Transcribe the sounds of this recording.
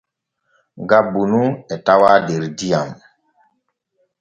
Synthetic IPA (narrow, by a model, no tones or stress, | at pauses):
ɡabunuɛtawadeɾdijam